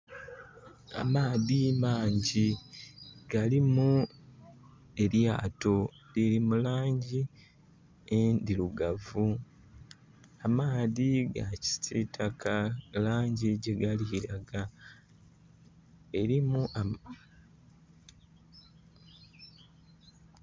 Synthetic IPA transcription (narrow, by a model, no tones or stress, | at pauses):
a̰maːðimaːɲɟi | ɡalimu | e̞ljaːto̞ | liɾimulaːɲɟi | end̪iluɡavu | amaːðiɡaci̥titʰakʰalaːɲɟiɟe̞ɡaliɾaɡa | e̞ɾimua